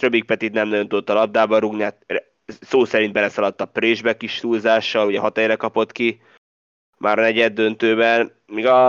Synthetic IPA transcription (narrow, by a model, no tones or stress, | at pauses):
rø̞bik̚pɛt̪it̪nɛmnɒɟjo̞nt̪ud̪ot̪ːɒlɒb̚d̪aːbɒɾuɡniat̪ɛ | soːsɛɾind̪bɛlɛsɒlɒt̪ːɒpreːʒbɛkiʃt̪uːlzaːʃːɒluɟɛɦɒt̪ɛjrɛkɒpo̞t̪ki | mʔaːɾnɛɟɛd̪ːø̞nt̪øːbɛn | miːɡɒ